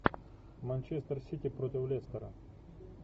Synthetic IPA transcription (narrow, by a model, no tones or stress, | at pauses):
mɐnʲt͡ɕest̪rsʲitʲipɾotʲɪwlʲest̪əɾɐ̰